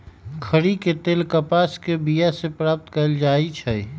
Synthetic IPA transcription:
kʰəɾiket̪eːlkəpaskebijasepɾaːp̚t̪kəɪld͡ʒaːit͡ʃʰəj

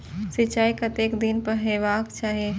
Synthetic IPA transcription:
sɪt͡ʃaːikɐt̪eːkd̪inpəɦeːʋaːkt͡ʃaːɦe

